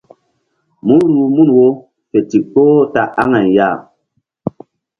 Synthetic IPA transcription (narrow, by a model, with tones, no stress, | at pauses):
mu˦nɾu˨mu˦nwo˦ | fɛ˨ti˨k͡poː˦ta˨ʔa˦ŋa˨n˨ja˦˨